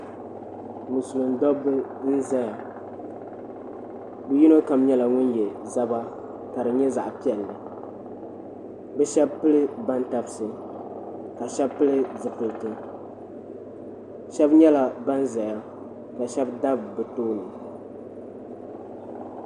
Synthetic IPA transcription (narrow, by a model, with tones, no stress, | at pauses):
mu˨su˨lɨ˨n̩˦dɔ˦bɨ˦n̩˦za˦ja˨ | bu˨ji˦no˦ka˨mɲɛ˦la˨ŋʊ˦njɛ˨za˦ba˦ | ka˨ɾɨ˨ɲɛ˦za˨ʔpi˦ɛ˨lːɨ˨ | bɛ˦ʃɛ˦b̚pɨ˦lɨ˦ba˦nta˨bsɨ˨ | ka˨ʃɛ˦bpɨ˦lɨ˦zɨ˨kɨ˨ltɨ˦ | ʃɛ˦bɲɛ˦la˨ba˦n˦za˨ja˦ | ka˨ʃɛ˦bda˦bbɨ˨toː˦nɨ˨